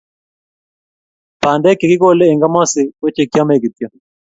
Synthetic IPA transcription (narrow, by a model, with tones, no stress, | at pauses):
pa˨ndɛ˦ke˨kɪ˦ko˦le˦e˨ŋɡa˦mɔ˦sɪ˨wo˦t͡ʃe˨kja˦me˦˨ɡi˨t̪jɔ˨